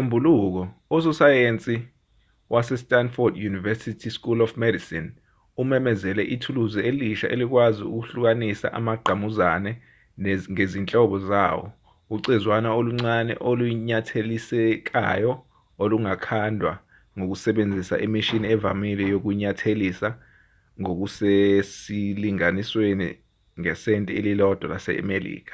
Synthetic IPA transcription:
ombʱuluk̬ɔɔs̬usajent͡sʼi | wʔasɛstʼanfɔrdjunivɛsitʰiskulɔfmɛdisin | umɛmɛzɛlɛʔitʰuluzɛeliʃa̰ʔḛlik̬waziṵk̬uɬuk̬anisa̰ʔa̰maɡ͡ǃʱamuzanɛ | ŋezint͡ɬʼɔɓɔza̰ːwɔ̰ | uǀizwanaoluŋ͡ǀanɛ̰ʔoluɲatʰelisɛk̬a̰jɔ | oluŋakʰandʱwa̰ | ŋok̬usɛɓend͡zʱisa̰ʔimiʃiniɛva̰milɛjok̬uɲatʰelisa | ŋok̬usesiliŋaniswenḭ | ŋɛsɛntʼielilɔd̥ʱwɔlasɛ̰a̰melḭːk̬ḁ

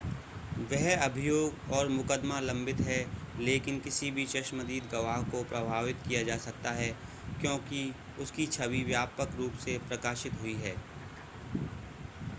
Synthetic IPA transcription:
ʋɛɦɐbʱɪjoːɡɔːɾmʊkəd̪malɐ̃mbɪt̪ɦɛleːkɪnkɪsibʱit͡ʃɐʃməd̪iːd̪ɡɐʋaːɦkopɾɐbʱaːʋɪt̪kijad͡ʒaːsɐk̚t̪aɦɛ | kjõːki | ʊskit͡ʃʰɐʋiʋjaːpəkɾuːpsepɾɐkaːʃɪt̪ɦʊiɦɛː

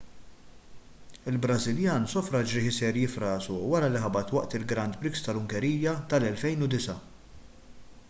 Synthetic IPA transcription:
ɪlbɾɐzɪljɐːnsɔfɾɐd͡ʒɾɪħɪsɛɾjɪfɾɐːsuwɐɾɐliħɐbɐt̪wɐʔt̪ɪlɡɾɐnt̪pɾɪkst̪ɐlʊŋkɛɾiːjːɐt̪ɐlɛlfɛjnʊd̪ɪsɐ

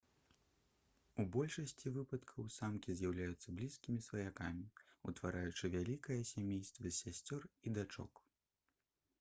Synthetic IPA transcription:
ubɔlʲʂɐsʲt͡sʲivɨpɐt̪kʰɐwsamkʲizʲjawlʲajut̪sːɐblʲiskʲimʲisvɐjakamʲiṵt̪vaɾajut͡ʂɨvʲalʲikɐjɐsʲamʲejst̪vɨsʲasʲt͡sʲɔrid̪at͡ʂɔ̰k

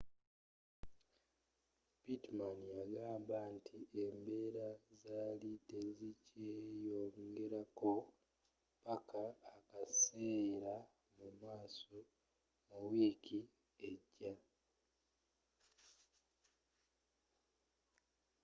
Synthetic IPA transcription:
bitmanjaɡaːmbantʰiʔembe̞ːɾazaːlitezicejo̞ŋɡe̞ɾako̞ | pakʰaːkaseːɾa | mumaːso̞ | muwiːkʰi | eɟːa

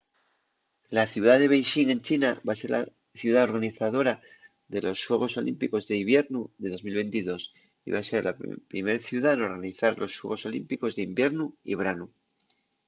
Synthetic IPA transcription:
laθjuðaðe̞β̞e̞jʃiŋẽ̞nt͡ʃinaβase̞ɾla̰ | θjuð̞aoɾɣaniθaðo̞ɾa | ðe̞lo̞sːwe̞ɣ̞o̞so̞lʔḭmpiko̞zðeiβje̞ɾnuðe̞ðo̞zmilβẽ̞nt̪iðo̞s | ḭβase̞ɾlapɾime̞ɾθjuð̞ano̞ɾɣaniθaɾlo̞swe̞̰ɣo̞so̞lḭmpiko̞zðimbje̞ɾnuḭβ̞ɾanu

